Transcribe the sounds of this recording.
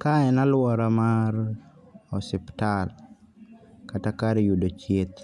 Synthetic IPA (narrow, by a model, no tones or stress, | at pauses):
kaɛnalwɔɾamaɾ | ɔsɪptal | katakaɾjudot͡ʃjet̪